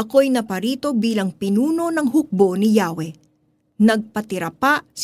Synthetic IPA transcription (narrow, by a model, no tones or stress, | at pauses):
ʔɐko̞jnɐpɐɾiːt̪o̞biːlɐŋpɪnuːno̞nɐŋɦʊk̚bo̞nɪjaːwɛ | nɐɡ̚pɐt̪ɪɾɐpaʔs